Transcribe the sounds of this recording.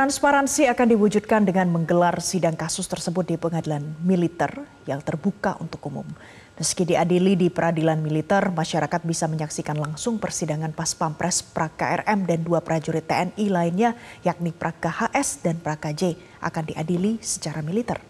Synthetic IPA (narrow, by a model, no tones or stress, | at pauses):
t̪ɾanspaɾansiakandiwud͡ʒud̚kandəŋanməŋɡəlarsidaŋkasʊst̪ərsəbʊt̪̚dipəŋadilanmilit̪ɛr | jaŋt̪ərbukaʔṵnt̪ʊkumʊ̰m | məskidiadilidipəɾʔadilanmilit̪ɛrmaʃaɾakat̪̚bisaməɲaksikanlaŋsʊŋpərsidaŋanpaspampɾɛspɾʔaka̰ʔɛ̰rɛmdanduapəɾad͡ʒuɾit̪ːeɛnilaɪnɲajak̚nipəɾʔakahaʔɛsdanpɾakad͡ʒe | ʔa̰kandiʔadilisə̥t͡ʃaɾamilit̪ɛr